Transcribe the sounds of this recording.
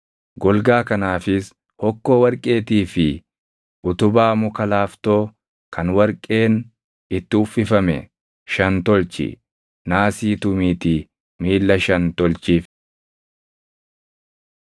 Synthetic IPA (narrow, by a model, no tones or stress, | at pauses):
ɡɔlɡaːkɐnaːfɪs | hɔkːo̞ːwɐɾkʼe̞ːt̪iːfɪ | ʔʊt̪ʊbaːmʊkɐlaːft̪o̞ː | kʰɐnwɐɾkʼe̞ːn | ɪt̪ːɪʊfːɪfɐmɛ̰ | ʃɐnt̪ɔlt͡ʃɪ̰ | naːsiːt̪ʊmiːt̪i | miːlːɐʃɐnt̪ɔlt͡ʃiːf